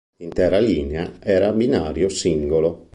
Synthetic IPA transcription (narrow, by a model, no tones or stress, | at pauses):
int̪ɛːɾaliːneaɛːɾabinaːɾjosiŋɡolo